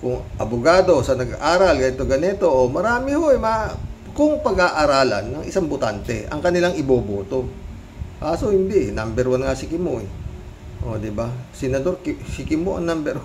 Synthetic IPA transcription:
kʊŋʔɐbʊɡaːd̪o̞sɐnɐɡʔaːɾɐlɡɐɪt̪ːoɡɐnɛt̪o̞ʔomɐɾaːmɪhoʔɛma | kʊŋpɐɡaʔaɾaːlɐ̰nːɐŋʔɪ̰saŋbot̪ant̪ɛʔɐ̰ŋkɐnɪlaŋɪboːboːt̪o̞ | kaːsohɪnd̪ɪʔnambɛɾwanŋasɪkɪmoʔɛ | ʔo̰d̪ɪbasɪnɐd̪o̞ɾksɪkɪmoʔɐ̰ŋnambɛɾw

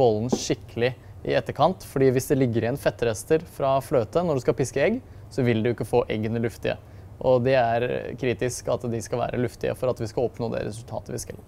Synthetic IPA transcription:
ɔlnʂɪkːəlɪʔɪ̰ɛt̪ːəɾkʰɑnt̪fɔɖiːʋɪsd̪ɛlɪɡːəɾɪɛnfɛt̪ːɾɛst̪əɾfɾɑfløːt̪ənɔɖʉskɑlpɪskəɛɡ | sɔʋɪld̪ʉɪkːəfoːʔɛɡənəlʉft̪ɪə̰ | ʔɔd̪ɛæɾkʰɾiːt̪ɪskɑt̪d̪ɪskɑlʋæ̰ːɾʔə̰lʉft̪ɪ̰ə̰fɔɾɑt̪ʋɪskɑlɔpnoːd̪ɛ̰ɾɛ̰sʉlt̪ʰɑ̰ːt̪əʋɪskɑ̰l

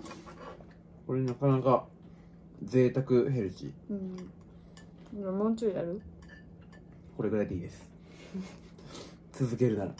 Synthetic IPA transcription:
ko̞ɾe̞ɲinakanaka | d͡ze̞ːt̪akɯ̟ɦe̞ɾɯ̟t͡ɕḭɯ̟̃ | imamõt͡ɕoijaɾɯ̟ | ko̞ɾe̞ɡɯ̟ɾajd̪e̞iːd̪e̞sɨ̥ | t͡sɨzɨke̞ɾɯ̟naɾa̰

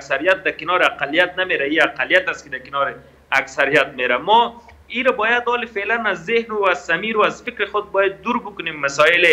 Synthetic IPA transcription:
aksaɾijat̪̚d̪akɪnɔɾɪaqalijat̪̚nameɾaiaqalijat̪askɪd̪akɪnɔɾɪ | aksaɾijat̪̚meɾamɔ | iɾabɔjad̪ɔːlɪfelanazːɪhnʊazsamiɾʊazfɪkɾɪxʊd̪̚bɔjad̪̚ːuɾbʊkʊnemːasɔɪle

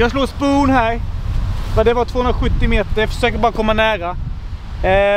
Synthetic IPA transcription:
jɑːɡsloːspuːnhæɾ | vad̪ɛvaɾt̪ʰvoːɵnɾaɧɵt̪ːɪmeːt̪əɾjafœ̥ʂøːkəɾbɑːɾakʰɔmːanæːɾa

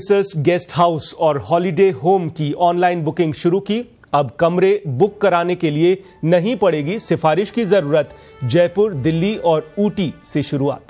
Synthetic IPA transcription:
səsɡɛːsʈɦaːʊsɔːɾɦɔːlɪɖeːɦoːmkiɔːnlaːɪnbʊkɪ̃ŋɡʃʊɾuki | ɐbkɐmɾebʊkːɐɾaːnekelie | nɐɦĩpɐɽeːɡisɪfaːɾɪʃkizɐɾuːɾət̪ | d͡ʒɛːpʊɾd̪ɪlːiɔːɾuːʈiseʃʊɾua̰ːt̪

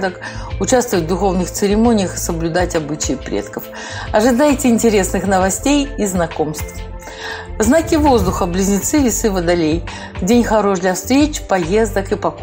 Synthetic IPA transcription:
d̪əkʊt͡ɕast̪vəvət̚ʲd̪ʊxo̞vnɨxt̪sɨɾʲɪmo̞nʲɪjəxɨ̥səblʲʊd̪atʲɐbɨt͡ɕɪjɪpɾʲḛt̪kəf | ɐʐɨd̪ajtʲɪɪnʲtʲɪɾʲe̞snɨxnəvɐsʲtʲejiznɐko̞mst̪f | vznakʲɪvo̞zd̪ʊxəblʲɪzʲnʲɪt̪sɨvʲɪsɨvəd̪ɐlʲej | vdʲenʲxɐɾo̞ʂd̪lʲɐfst̪ɾʲet͡ɕpɐjezd̪əkɨpɐk

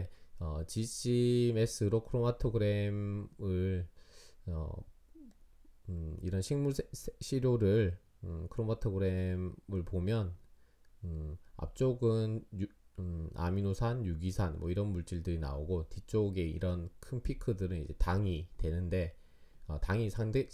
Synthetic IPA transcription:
eʌt͡ɕiɕʰime̞s͈ɯɾokʰɯɾomatʰoɡɯɾe̞mɯɭ | ʌ̰ | ḭɾʌnɕʰiŋmuɭsɕʰiɾjoɾɯɭ | ɯkʰɯɾomatʰoɡɯɾe̞mɯɭpomjʌn | ɯa̰p̚t͡ɕ͈oɡɯn | a̰minosʰanjuɡisʰanmwʌiɾʌnmuɭt͡ɕ͈iɭdɯɾina̰oɡotit͡ɕ͈oɡe̞ḭɾʌnkʰɯnpʰikʰɯdɯɾɯnḭd͡ʑe̞taŋitwe̞nɯnde̞ | ʌtaŋisʰaŋde

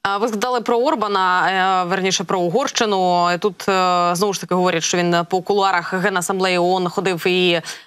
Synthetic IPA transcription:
vɨzɣɐd̪alˠɨpɾɐɔrbɐnɐvʲɛrnʲiʂɐpɾɐuɣɔrʂt͡ʂɨnʊit̪ut̪znɔvuʂt̪ɐkʲiɣɐʋɔɾʲɐt̪ʲʂt̪ɔvʲinpɔkulˠuaɾɐxɣɛnɐsɐmblˠɛjiɔnxɔd̪ɨwi

